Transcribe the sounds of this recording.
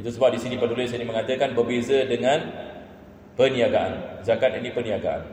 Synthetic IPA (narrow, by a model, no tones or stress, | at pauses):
it̪̬usəbap̚disinĩpədulɪsainimə̃ŋat̪əkanbərbezədəŋãn | pənĩaɡaʔa̰nzakat̪anĩpənĩaɡaʔa̰n